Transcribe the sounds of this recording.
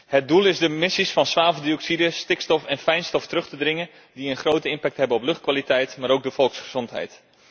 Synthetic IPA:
ɦədulˠɪzdəmɪsisfɑnsʋaːlˠvdiɔksidəstɪkstɔfɛnfɛjnstɔftərɵχtədrɪŋən | diənχrowtəɪnpɛk̚tɦɛbənɔplɵχt̚kʋalitɛjtmaːɾowɡ̚dəvɔlˠksχəz̥ɔntɦɛ̰jt

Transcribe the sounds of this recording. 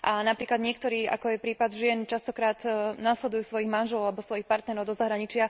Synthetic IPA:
ʔanapɾiːklad̪ɲɪɛk̚t̪ɔɾiːa̰kɔajpɾiːpad̪ʒɪɛnt͡ʃast̪ɔkɾaːd̪naːslɛd̪ujuːsʋɔjiɣmanʒɛlɔalɛbɔsʋɔjixpaɾt̪nɛɾɔʊd̪ɔzaɦɾaɲit͡ʃɪa

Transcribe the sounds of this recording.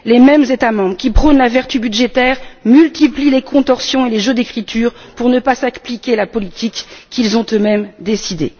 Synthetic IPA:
lemɛmzet̪amɑ̃bʁkʲipχɔnlavɛʁt̪ybyd̪ʒet̪ɛːʁmylt̪iplilekɔ̃t̪ɔʁsjɔ̃eleʒød̪ekχit̪ʰyːʁ | puʁnəpasɛksplikʲelapɔlit̪ʰikːilzɔ̃t̪ømɛmd̪esid̪ḛ

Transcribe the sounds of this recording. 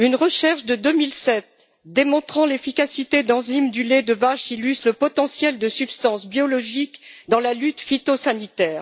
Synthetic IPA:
ynʁəʃɛʁʃd̪əd̪ømilsɛt̪̚ | d̪emɔ̃t̪χɑ̃lefikasit̪ed̪ɑ̃zimd̪yled̪əvaʃilysləpɔt̪ɑ̃sjɛld̪əsypst̪ɑ̃sbjɔlɔʒikd̪ɑ̃lalyt̪fit̪osanit̪ɛːʁ

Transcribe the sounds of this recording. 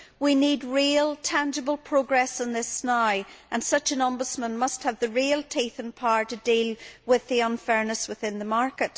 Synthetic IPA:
winid̚ɹilˠtʰæ̃nd͡ʒəbəlˠpʰɹ̥ɔɡɹɛsɨ̃nðɪsnaɪʔə̃nsʌt͡ʃɨ̃nʌ̃mbʊsmə̃nmʌst̚həvðɨɹilˠtʰiθə̃npʰaɹɾɨdilˠwɪðiʌ̃nfɛɹnəswɨθɪ̃nðəmaɹkɨt

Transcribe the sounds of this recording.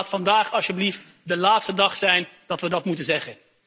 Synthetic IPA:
tfɑndaːχɑsjəbəlift | dəlaːtstədɑχsɛjnd̥ɑtʋədɑtmutəzɛχən

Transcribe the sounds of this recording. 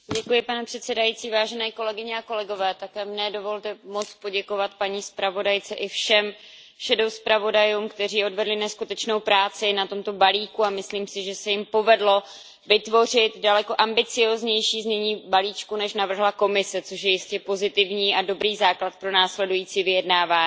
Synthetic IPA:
ɟɛkujɪpanɛpr̥ɛt̪sɛdajit͡siːvaːʒɛnɛːko̞lɛɡɪɲɛako̞lɛɡo̞vɛːt̪akɛːmnɛdo̞vo̞lt̪ɛmo̞t͡spo̞ɟɛko̞vat̪̚paɲiːspɾavo̞dajt͡sɛʔɪfʃɛm | ʃɛdo̞wspɾavo̞dajuːmkt̪ɛr̝iːo̞dvɛdlɪnɛskut̪ɛt͡ʃno̞wpɾaːt͡sɪnat̪o̞mt̪o̞baliːkuamɪsliːmsɪʒɛsɛjɪmpo̞vɛdlo̞ | vɪt̪vo̞r̝ɪt̪dalɛko̞ʔambɪt͡sɪoːzɲɛjʃiːzɲɛɲiːbaliːt͡ʃkunɛʃnavr̩ɦlako̞mɪsɛt͡so̞ʃjɛjɪscɛpo̞zɪt̪ɪvɲiːʔado̞bɾiːzaːklat̪̚pɾo̞naːslɛdujiːt͡siːvɪjɛdnaːvaːɲ

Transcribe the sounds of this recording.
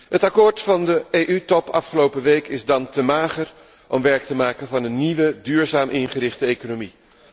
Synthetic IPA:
ɦətɑkoːɹtfɑndəejʔytɔpʰɑ̰fχəlowpəʋejkɪzdɑntəmaːχər | ʔɔmʋɛɹk̚təmaːkənvɑnənːiʋədyːɹzaːmʔɪnχəɾɪχtəejkonomi

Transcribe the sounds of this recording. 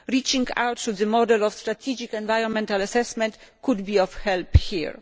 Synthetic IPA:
ɾit͡ʃĩŋɡa̰wtːuðəmɔd̪ɛlɔfst̪ɾat̪ʲʰid͡ʒikɛ̃nvajɾɔ̃nmɛ̃nt̪alasɛsmɛ̃nt̪kud̪biɔfxɛlpxḭɹ

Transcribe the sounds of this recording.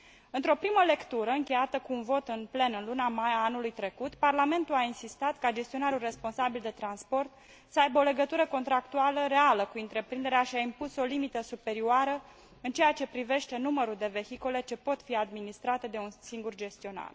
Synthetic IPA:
ɨnt̪ɾo̞pɾiməle̞kt̪uɾəɨŋkʲe̞jat̪əkuːnvo̞t̪ɨnple̞nɨnlunamajaanulujt̪ɾe̞kut̪parlame̞nt̪uainsist̪at̪kad͡ʒe̞st̪io̞naɾulre̞spo̞nsabild̪e̞t̪ɾanspo̞rt̪ | səajbəo̞le̞ɡət̪uɾəko̞nt̪ɾakt̪ualəɾe̞aləkuint̪ɾe̞pɾind̪e̞ɾeaʃiaimpuso̞limit̪əsupe̞ɾioaɾə | ɨnt͡ʃe̞jat͡ʃe̞pɾive̞ʃt̪e̞numəɾuld̪e̞ve̞hikole̞t͡ʃe̞po̞t̪fiad̪minist̪ɾat̪e̞d̪e̞unsiŋɡurd͡ʒe̞st̪io̞na̰r

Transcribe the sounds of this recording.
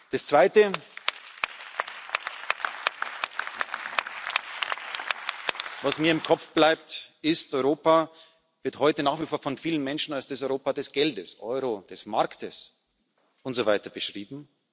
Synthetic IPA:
d̥ast͡sv̥aɪtə | vasmiːɐɪmkʰɔp͡fb̥laɪp̚tɪstʔɔʏʁoːpa | vɪɐthɔʏtənaːχv̥ifoːɐfɔnfiːlənmɛnʃn̩aʊsd̥ɛsɔʏʁoːpadɛsɡ̥ɛldəsʔɔʏʁod̥ɛsmaɐktʰəs | ʊntz̥ovaɪtɐb̥əʃʁ̥iːbm̩

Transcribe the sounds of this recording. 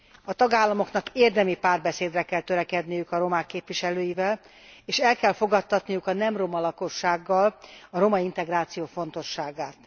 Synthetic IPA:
ɒt̪ɒɡaːlːɒmo̞knɒkeːrd̪ɛmipaːrbɛseːd̪rɛkɛlt̪øɾɛkɛd̪nijykɒɾo̞maːkːeːpʋiʃɛløːjivɛl | eːʃɛlkɛlfo̞ɡɒt̪ːɒt̪nijukɒnɛmro̞mɒlɒko̞ʃːaːɡːɒlɒɾo̞mɒint̪ɛɡraːt̪sijoːfo̞nt̪o̞ʃːaːɡaːt̪

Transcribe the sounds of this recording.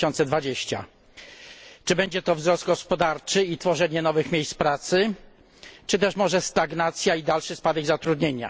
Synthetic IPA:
ɔnt̪sɛd̪vad͡ʑeɕt͡ɕa̰ | t͡ʂɘbɛɲd͡ʑɛt̪ɔvzɾɔsd̪̚ɡɔspɔd̪aɾt͡ʂɘit̪fɔʐɛɲɛnɔvɘxmʲjejspɾat̪sɘ | t͡ʂɘt̪ɛʂmɔʐɛst̪aɡnat̪sʲjaid̪alʂɘspad̪ɛɡzat̪ɾud̪ɲeɲa̰

